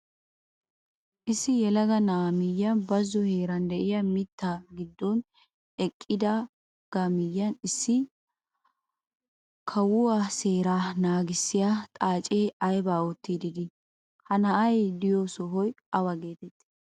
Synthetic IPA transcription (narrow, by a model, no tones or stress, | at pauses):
ʔɪsːɪjɛlɐɡɐnɐːmɪjːɐnbɐzːɔheːɾɐnd̪ɛʔɪjɐmɪt̪ːaɡɪd̪ːɔn | ɛkʼːɪd̪ɐ | ɡ̥ɐmɪjːɐnɪsːɪ | kʰɐwʊwase̞ːɾanaːɡɪsːɪjat̪ʼaːt͡ʃʼeːɐjbaːɔt̪ːiːd̪ɪɡɪ | hɐnɐʔɐjd̪ɪjɔsɔɦɔj | ɐwɐɡe̞ːt̪ɛt̪ːɪ̥